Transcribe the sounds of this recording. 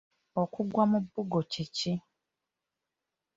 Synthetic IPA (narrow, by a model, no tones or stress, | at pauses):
okuɡwamũbuɡot͡ʃit͡ʃi